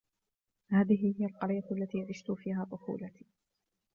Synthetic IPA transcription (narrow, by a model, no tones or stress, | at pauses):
haːðɪɦɪhɪjalqɑɾˤɪjalːat̪iːʕɪʃt̪ʊfiːhaːt̪ˤʊfṵːlat̪ʰiː